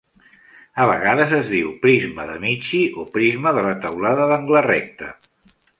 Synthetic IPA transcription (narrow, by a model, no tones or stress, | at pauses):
əβ̞ə̰ɣaðəzəzðiwpɾizməðəmit͡ʃiopɾizməðələt̪əwlaðəðəŋɡlərɛk̚t̪ə